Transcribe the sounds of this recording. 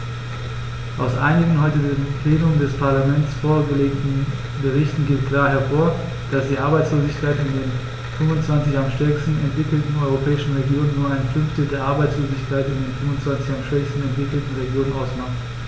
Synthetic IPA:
ʔaʊsʔa̰ɪnɪɡŋ̩hɔʏtədeːnpʰl̥ɛːnʊŋəndɛspʰaɐlamɛntsfoːɐɡəleːk̚tn̩ | bəʁɪçtn̩ɡeːt̚kl̥aːɐɦɛɐfoːɐ | d̥asd̥iːʔaɐbaɪt͡sloːzɪçkʰaɪtɪndeːn | fʏmʊnt͡sv̥ant͡sɪçamʃtɛɐkstn̩ɛntv̥ɪkl̩tn̩ɔʏʁ̞opʰɛːɪʃn̩ʁeɡjoːnənːuːɐaɪnfʏnftl̩deːɐʔaɐbaɪt͡sloːzɪçkʰaɪtɪndeːnfʏmʊnt͡sv̥ant͡sɪçamʃv̥ɛçstn̩ɛntv̥ɪkl̩tn̩ʁeɡjoːnənʔaʊsmaχt

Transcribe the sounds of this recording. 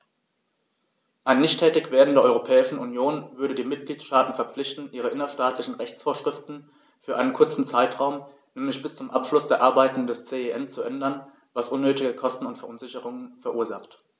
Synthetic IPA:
ʔaɪnːɪçtʰːɛːtɪçv̥eːɐdn̩deːɐɔʏʁopʰɛːɪʃn̩ʔunjoːnvʏɐɾədiːmɪt̚ɡ̥liːt͡ssʃtaːtn̩fɛɐp͡flɪçtn̩ʔiːʁ̞əʔɪnɐʃtaːtʰlɪçn̩ʁɛçt͡sfoːɐʃʁ̥ɪftn̩ | fyːɐʔaɪnənkʰʊɐt͡sn̩t͡saɪtʁ̥aʊm | nɛːmlɪçb̥ɪst͡sʊmʔapʃlʊsd̥eːɐʔaɐbaɪtn̩dɛst͡seːeʔɛmt͡suʔɛndɐn | vasʔʊnːøːtɪɡəkʰɔstn̩ʊntfɛɐʔʊnzɪçəʁ̞ʊŋənfɛɐʔuːɐzaχt

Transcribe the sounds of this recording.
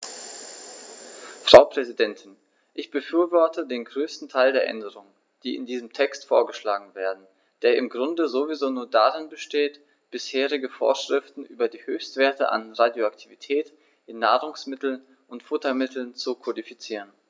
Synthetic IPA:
fʁ̥aʊpʁ̥ɛzidɛntʰɪn | ʔɪçb̥əfyːɐvɔɐtʰədeːnɡʁøːstn̩tʰaɪldeːɐʔɛ̰ndəʁʊŋ | d̥iːɪ̰ndiːzəmtʰɛkstfoːɐɡəʃlaːɡŋ̩veːɐdn̩ | d̥eːɐʔɪmɡʁʊndəzovizoːnuːɐdaʁɪnbəʃteːt | b̥ɪsheːʁɪɡəfo̰ːɐʃʁ̥ɪftn̩ʔyːbɐdiːhøːçstv̥eːɐtəʔa̰nʁadjoaktʰivitʰɛːt | ʔɪnːaːʁʊŋsmɪtl̩n | ʔʊntfʊtɐmɪtʰl̩nt͡sukʰodifit͡siːʁən

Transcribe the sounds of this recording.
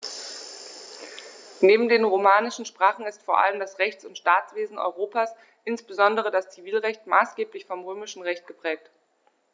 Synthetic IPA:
neːbm̩deːnʁomaːnɪʃn̩ʃpʁ̥aːχn̩ɪstfoːɐʔa̰ləmdasʁɛçt͡sʊntʃtaːt͡sv̥eːzn̩ʔɔ̰ʏʁoːpaːs | ʔɪnsb̥əzɔndəʁ̞ədast͡siviːlʁɛçtmaːsɡ̥eːplɪçfɔmʁøːmɪʃn̩ʁɛçt̚ɡ̥əpʁ̥ɛːk̚t

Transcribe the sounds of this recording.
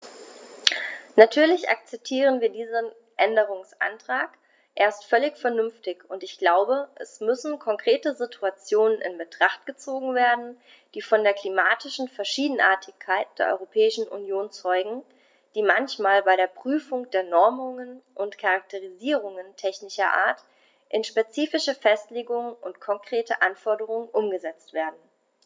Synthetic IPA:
natʰyːɐlɪçʔa̰k̚t͡sɛp̚tʰiːʁənviːɐdiːzən | ʔɛndəʁ̞ʊŋsʔa̰ntʁ̥aːk | ʔeːɐstfœlɪçfɛɐnʏmftɪçʊntɪçɡ̥laʊbəʔɛsmʏsn̩kʰɔŋkʁ̥eːtəzitʰuat͡sjoːnənɪ̰nbətʁ̥aχt̚ɡ̥ət͡soːɡŋ̩veːɐdn̩ | d̥iːfɔndeːɐkl̥imaːtɪʃn̩fɛɐʃiːdn̩ʔa̰ːɐtʰɪçkʰːaɪt̚d̥eːɐʔɔ̰ʏʁopʰɛːɪʃn̩ʔṵnjoːnt͡sɔʏɡŋ̩ | d̥iːmançmaːlbaɪɾeːɐpʁ̥yːfʊŋd̥eːɐnɔɐmʊŋənʔʊntkʰaʁak̚tʰəʁ̞iziːʁ̞ʊŋəntʰɛçnɪʃɐʔa̰ːɐt | ʔɪnʃpet͡siːfɪʃəfɛstleːɡʊŋənʊ̰ntkʰɔŋkʁ̥eːtə̰ʔanfɔɐɾəʁ̞ʊŋənʔʊmɡəzɛt͡stv̥eːɐdn̩

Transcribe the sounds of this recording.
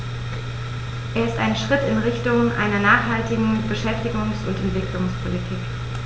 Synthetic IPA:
ʔeːɐɪstaɪnʃʁ̥ɪtɪnʁɪçtʊŋʔa̰ɪnɐnaːχhaltɪɡŋ̩b̥əʃɛftɪɡʊŋsʊntɛntv̥ɪklʊŋspʰolitʰiːk

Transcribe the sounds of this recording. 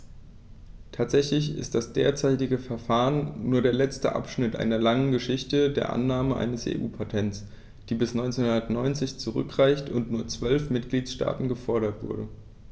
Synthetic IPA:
tʰaːtz̥ɛçlɪçɪ̰st̚d̥asd̥eːɐt͡saɪtɪɡəfɛɐfaːʁənːuːɐdeːɐlɛt͡stə̰ʔa̰pʃnɪtʔa̰ɪnɐlaŋənɡəʃɪçtədeːɐʔa̰nːaːməʔa̰ɪnəsʔḛːʔuːpʰatʰɛntt͡s | d̥iːbɪsnɔʏnt͡senhʊndɐtnɔʏnt͡sɪçt͡suʁʏ̰kʁ̥aɪçtʊntnuːɐt͡sv̥œlfmɪtɡ̥liːtʃta̰ːtn̩ɡəfɔɐɾɐtv̥ʊ̰ɐdə

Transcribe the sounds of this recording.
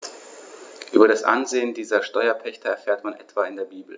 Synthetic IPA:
ʔyːbɐɾasʔa̰nzeːəndiːzɐʃtɔʏɐpʰɛçtəɛɐfeːɐtmanʔɛ̰tv̥aːɪndeːɐbiːbl̩

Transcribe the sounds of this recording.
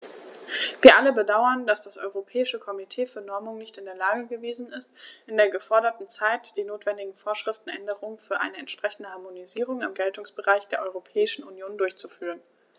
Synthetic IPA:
viːɐʔaləbədaʊɐnd̥asd̥asʔɔʏʁopʰɛːɪʃəkʰɔmitʰeːfyːɐnɔɐmʊŋnɪçtɪndeːɐlaːɡəɡəveːzn̩ɪstʔɪndeːɐɡəfɔɐɾɐtn̩t͡saɪtd̥iːnoːtv̥ɛndɪɡŋ̩foːɐʃʁ̥ɪftn̩ʔɛndəʁʊŋənfyːɐʔa̰ɪnəɛ̰ntʃpʁ̥ɛçn̩dəhaɐmoniziːʁʊŋɪmɡɛltʊŋsb̥əʁaɪçd̥eːɐʔɔʏʁopʰɛːɪʃn̩unjoːndʊɐçt͡sufyːʁ̞ən

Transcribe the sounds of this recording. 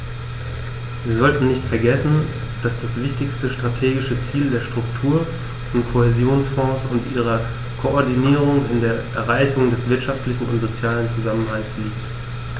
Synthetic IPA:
viːɐzɔltn̩nɪçtfɛɐɡɛsn̩ | d̥asd̥asv̥ɪçtɪçstəʃtʁ̥atʰeːɡɪʃət͡siːldeːɐʃtʁ̥ʊktʰuːɐ | ɔntkʰohezjoːnsfɔ̃ːsʊntʔiːʁ̞ɐ | kʰoɔɐdiniːʁ̞ʊŋɪndeːɐʔɛɐʁaɪçʊŋdɛsv̥ɪɐtʃaftlɪçn̩ʊ̰ntz̥ot͡sjaːlənt͡suzamənɦalsliːkt

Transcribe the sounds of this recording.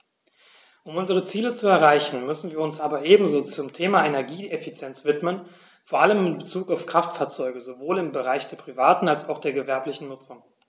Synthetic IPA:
ʔʊmʔʊnzəʁ̞ət͡siːlət͡suɛɐʁaɪçn̩mʏsn̩viːɐʊnsʔaːbɐʔeːbm̩zoːt͡sʊmtʰeːmaenɛɐɡiːefit͡sjɛnt͡sv̥ɪtmən | foːɐʔaləmɪnbət͡suːkaʊfkʁ̥aftfaːɐt͡sɔʏɡəzovoːlɪmbəʁaɪçd̥eːɐpʁ̥ivaːtn̩alsaʊxd̥eːɐɡəvɛɐplɪçn̩nʊt͡sʊŋ

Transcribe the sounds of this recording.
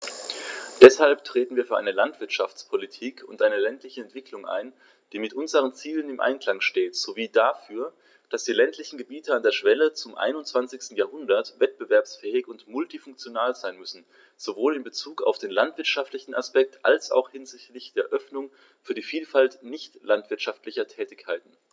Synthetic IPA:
d̥ɛshalptʁ̥eːtn̩viːɐfyːɐʔa̰ɪnəlantv̥ɪɐtʃaft͡spʰolitʰiːkʰʊntʔaɪnəlɛntlɪçəɛntv̥ɪkʰlʊŋʔa̰ɪn | d̥iːmɪtʔʊnzəʁ̞ənt͡siːlənɪmʔa̰ɪnkl̥aŋʃteːtz̥oviːdafyːɐ | d̥asd̥iːlɛntʰlɪçn̩ɡəbiːtəandeːɐʃv̥ɛlət͡sʊmʔa̰ɪnʊnt͡sv̥ant͡sɪçstn̩jaːɐɦʊndɐtvɛt̚b̥əvɛɐpsfɛːɪçʊntmʊltifʊŋk̚t͡sjonaːlzaɪnmʏsn̩ | z̥ovoːlɪmbət͡suːka̰ʊfd̥eːnlantv̥ɪɐtʃaftlɪçn̩a̰spɛk̚tʔa̰lsa̰ʊxhɪnzɪçtlɪçd̥eːɐʔœfnʊŋ | fyːɐdiːfiːlfaltnɪçtlantv̥ɪɐtʃaftlɪçɐtʰɛːtɪçkʰːaɪtn̩

